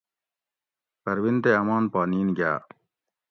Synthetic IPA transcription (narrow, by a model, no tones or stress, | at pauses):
pɐɾwint̪eːɐmaːnpaːniːnɡa̰ː